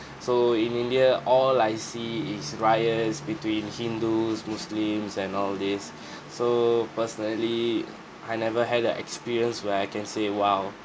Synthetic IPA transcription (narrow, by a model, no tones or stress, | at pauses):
soĩnĩndiəʔɔlaɪsiːsɹajəsbitwĩnhĩndusmuslĩmsɛ̃nɔldisː | opəsənəli | ʔajnɛvəɦɛdəʔɛ̰kspiɹiə̃nswɛajkɛ̃nsewaw